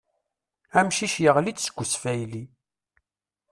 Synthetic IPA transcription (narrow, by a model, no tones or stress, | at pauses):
æmʃiʃjəʁlit͡sːsə̥ɡʷːəsfæjli